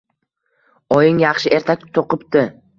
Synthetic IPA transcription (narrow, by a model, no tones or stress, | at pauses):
ɒjɪŋjɑχʃɪʔe̞ɾt̪ʰak̪̚ʲt̪ʰoqɨpt̪ɪ